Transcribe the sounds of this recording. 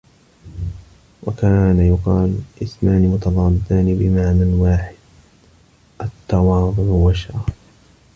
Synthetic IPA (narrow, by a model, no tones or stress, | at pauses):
wakaːnajʊqɑːlʔɪsmaːnimʊt̪ɑðˤɑːlt̪aːnbɪmaʕmɪnwaːħɪd̪̚ | ʔat̪ːɑwɑːðˤʊʕwaʃaː